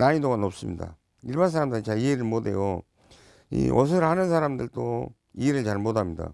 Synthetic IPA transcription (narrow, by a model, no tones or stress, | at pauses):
naɲidoɡanop̚s͈ɯmɲida̰ | iɭbans̬ʰaɾamdɯit͡ɕaieɾɯɭmode̞̰jo | ḭʔosʰɯɾɯɭhanɯnsʰaɾamdɯɭt͈o | ieɾɯt͡ɕaɭmodamɲida̰